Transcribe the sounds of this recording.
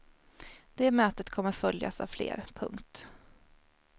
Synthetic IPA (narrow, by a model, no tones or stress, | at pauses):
d̪̥eːmøːt̪ət̪kʰɔmːəɾfœlja̰sa̰vflḛːɾpʰɵ̰ŋkt̪